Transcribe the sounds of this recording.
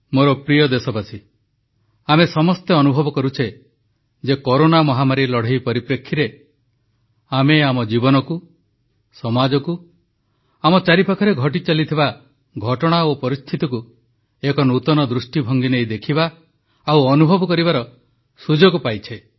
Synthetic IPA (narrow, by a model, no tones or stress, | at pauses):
moɾɔpɾijɔd̪esɔbasi | amesɔmɔst̪eɔnubʱɔbɔkɔɾut͡ʃʰe | d͡ʒekɔɾonamɔɦamaɾilɔɽ̤ejpɔɾipɾekʰːiɾe | ameamɔd͡ʒibɔnɔku | sɔmad͡ʒɔku | amɔt͡ʃaɾipakʰɔɾeɡʱɔʈ̬it͡ʃalit̪ʰiba | ɡʱɔʈɔɽ̃aopɔɾist̪ʰit̪ɔku | ekɔnut̪ɔnɔd̪ɾusʈibʱɔŋɡinejd̪ekʰibaː | wɔnubʱɔbɔkɔɾibaɾɔ | sud͡ʒɔɡupajt͡ʃʰe